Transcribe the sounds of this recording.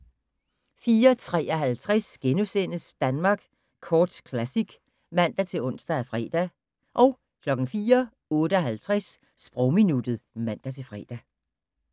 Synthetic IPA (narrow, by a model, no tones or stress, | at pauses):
fiːɐt͡sʰʁɛ̰ːɒɦælt͡sʰʁasɡ̥enusen̰əsd̥ænmɑ̈ːɡ̥ | kʰɒːd̥kʰlæsiɡ̥ | mæn̰d̥æt͡sʰe̝ɔ̽n̰sd̥ææfʁɛ̰ːd̥æ | ʔɒ̽ʊ | kʰlɒ̽ɡ̥n̩fiːɐ | ɔ̽ːdɾəæɦælt͡sʰʁas | sb̥ʁɔʊminud̥ð̩ˠmæn̰d̥æt͡sʰe̝fʁɛ̰ːd̥æ